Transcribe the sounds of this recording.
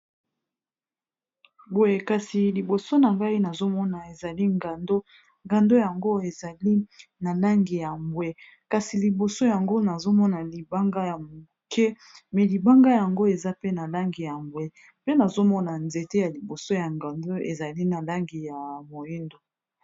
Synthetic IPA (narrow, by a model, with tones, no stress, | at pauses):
bo˨je˨ka˨si˨li˨bo˨so˦na˨ŋɡa˦i˦na˨zo˦mɔ˦na˨e˨za˨li˦ŋɡa˨ndo˦ | ŋɡa˨ndo˦ja˨ŋɡo˦e˨za˨li˦na˨la˦ŋɡi˨ja˨mbwɛ˦ | ka˨si˨li˨bo˨so˦ja˨ŋɡo˦na˨zo˦mɔ˦na˨li˨ba˦ŋɡa˦ja˨mu˨kɛ˦ | mɛ˨li˨ba˦ŋɡa˦ja˨ŋɡo˦e˨za˦pe˦na˨la˦ŋɡi˨ja˨mbwɛ˦ | pe˦na˨zo˦mɔ˦na˨nze˨te˦ja˨li˨bo˨so˦ja˨ŋɡa˨ndo˦e˨za˨li˦na˨la˦ŋɡi˨ja˨mo˨ji˦ndo˨